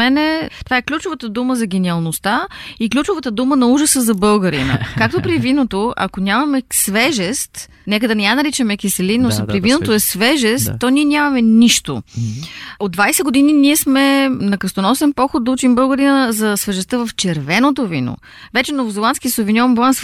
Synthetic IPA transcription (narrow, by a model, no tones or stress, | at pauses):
mɛnɛt̪ovaɛklʲut͡ʃovət̪əd̪uməzɐɡɛniɐlˠnost̪aiklʲut͡ʃovət̪əd̪umənɐuʒəsəzɐbɤlˠɡəɾinə̰kak̚t̪opɾivinot̪oɐ̰konʲamɐmɛsvɛʒɛst̪ | nɛkəd̪ɐnɛjanɐɾit͡ʃɛmɛkisɛlinːospɾivinot̪oɛsvɛʒɛsst̪ːɔniɛnʲamɐmɛniʃt̪o̰ | od̪d̪vajsɛɡod̪ininiɛsmɛnɐkɾəst̪onɔsɛnpɔxod̪̚d̪ɐut͡ʃimbɤlˠɡəɾinəəzɐsvɛʒɛst̪əvɐft͡ʃɛɾvɛnot̪ovino̰ | vɛt͡ʃɛnovozɛlˠansk̟iəsovinʲɔvmblˠans